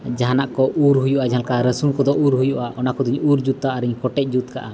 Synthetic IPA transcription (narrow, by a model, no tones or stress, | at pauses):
d͡ʒaɦanaʔkɔʔuɾɦujuʔad͡ʒaalkaɾəsumkɔd̪ɔʔuɾɦujuʔaʔɔnakɔd̪iɲuɾd͡ʒut̪ːaːɾiɲkɔʈɛc̚ˀd͡ʒut̪̚ka̰ʔa